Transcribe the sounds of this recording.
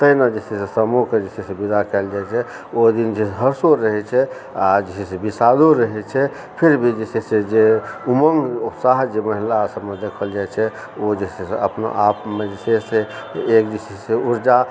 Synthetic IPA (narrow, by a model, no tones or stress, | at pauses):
t̪əinad͡ʒesisesəmoked͡ʒesisebid̪akɛld͡ʒajt͡ʃʰɛ | od̪ind͡ʒeɦəɾsoɾəɦɛt͡ʃʰɛ | ad͡ʒisisebisad̪oɾəɦɛt͡ʃʰɛ | pʰiɾbʱid͡ʒesised͡ʒeuməŋɡupsaɦd͡ʒeməɦilasəbmed̪ekʰəld͡ʒajt͡ʃʰɛ | od͡ʒeseseə̰pno̰ʔapmed͡ʒeseseek̚d͡ʒisiseuɾd͡ʒa